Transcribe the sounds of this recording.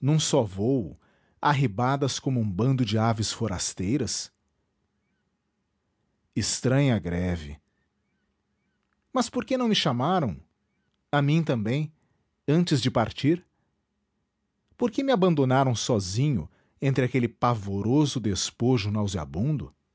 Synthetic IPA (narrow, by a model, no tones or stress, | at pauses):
nɐ̃w̃sɔvowʊ̰ | aɦibad̪ɐskõmʊũbɐ̃nd̪ʊd͡ʒɪavɪsfoɾa̰st̪ejɾɐs | ɪst̪ɾɐ̃ɲɐɡɾɛvɪ | mɐspoɾkenɐ̃w̃mɪʃamaɾɐ̃w̃ | amĩt̪ɐ̃mbẽj̃ | ɐ̃nt͡ʃɪzd͡ʒɪpaɾt͡ʃiɾ | poɾkemɪabɐ̃nd̪onaɾɐ̃w̃sɔzĩɲʊ̰ | ẽnt̪ɾɪakelɪpavoɾozʊd̪espoʒʊnawzia̰bũnd̪ʊ̰